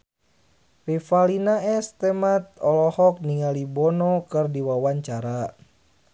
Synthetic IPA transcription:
rifalinaɛst̪ɛmat̪̚ɔlɔhɔk̚niŋalibɔnɔkɨrdiwawaɲt͡ʃaɾa

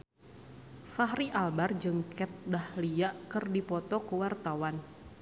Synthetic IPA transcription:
faɦɾiʔalbard͡ʒɨŋkʰɛt̪̚dahliaʔkɨrdipɔt̪ɔkəwart̪awan

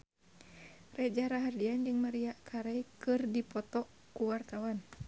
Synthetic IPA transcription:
rɛd͡ʒaɾaɦardiand͡ʒɨŋmaɾiakʰaɾɛjkɨrdipɔt̪ɔ | kuwart̪awan

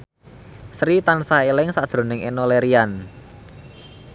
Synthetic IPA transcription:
sɾit̪ansaelɪŋsad̥ʒ̥ɾo̤nɪŋḛnɔleɾian

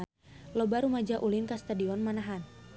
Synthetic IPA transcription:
lɔbaɾumad͡ʒaʔulɪnkast̪adiɔnmanaɦan

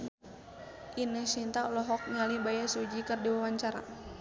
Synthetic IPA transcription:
ʔinəsint̪aɔlɔɦɔk̚ɲalibajasud͡ʒikərdiwawaɲt͡ʃaɾa̰

